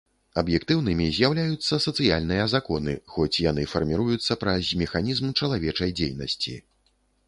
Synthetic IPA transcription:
ɐbjɛkt̪ɨwnɨmʲizʲjawlʲajut̪sːɐsɐt̪sɨjalʲnɨjɐzakɔnɨ̰xɔt͡sʲjan̪ɨfɐrmʲiɾujut̪sːɐpɾɐzʲmʲɛxanʲizmt͡ʂɐlˠavʲɛt͡ʂɐjd͡zʲḛjnɐ̰sʲt͡sʲḭ

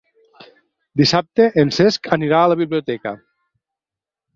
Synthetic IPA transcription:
d̪isap̚t̪eʔenseskʰəniɾaːləβ̞iβliot̪ɛkə̰

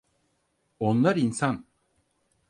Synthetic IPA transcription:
onlˠaɾinsan

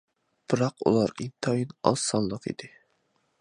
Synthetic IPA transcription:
b̥ɨɾɑqṵlˠɑɾint̪ʰɑjinɑ̰sɑnlˠəqḭd̪ɪ

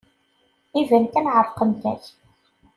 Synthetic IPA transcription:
ivænkænʕəɾˤqəmtæ̰ç

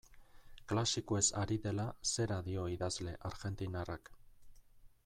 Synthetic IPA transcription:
klasikoe̞saɾiðe̞lase̞ɾaðio̞iðazle̞ʔaɾɣe̞nt̪inarak

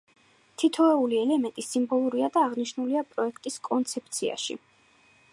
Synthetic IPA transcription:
t̪ʰit̪ʰɔɛuliɛlɛmɛnt̪ʼisimbɔlˠuɾiad̪aːʁniʃnuliapʼɾɔɛkʰt̪ʼiskʼɔnt̪sʰɛp̚ʰt̪sʰia̰ʃḭ

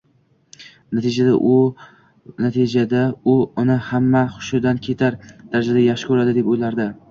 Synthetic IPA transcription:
nat̪ʰed͡ʒad̪a̰ʔʊ | nat̪ʰɪd͡ʒad̪aʊʊnɪhamːaχʊ̥ʃɪd̪ankʲʰe̞t̪ʰaɾd̪̥aɾad͡ʒad̪ajaχʃɪ̥kʰɵɾad̪ɪd̪e̞pojlaɾd̪ɪ

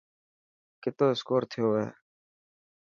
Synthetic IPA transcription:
kɪt̪oːɪskoːɾt̪ʰɪjoːḛː

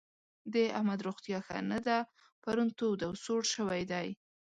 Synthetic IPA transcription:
d̪eahmad̪ɾoxt̪jɑxa̰nad̪a | paɾunt̪od̪awsoɽʃəwajd̪aj

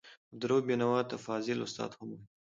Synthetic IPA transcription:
d̪ɾobenawɑt̪afɑːzɪlʊst̪ɑ̰ːd̪hama

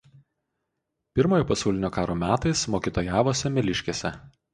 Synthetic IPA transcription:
pʲɪɾmoːjoːpɐsɐˑʊlʲɪnʲoːkɑːɾoːmʲæːt̪ɐɪsmoːkʲiːt̪oːjɛæːʋoːsʲɛmʲɛlʲɪʃʲkʲeːsʲɛ

